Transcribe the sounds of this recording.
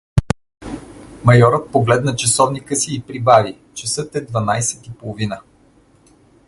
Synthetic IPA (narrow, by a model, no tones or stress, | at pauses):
mɐjɔɾət̪̚poɡlɛd̪nət͡ʃɐsɔvnikəsiːpɾibavi | t͡ʃɐsɤt̪ɛd̪vɐnajsɛt̪ipolˠovinə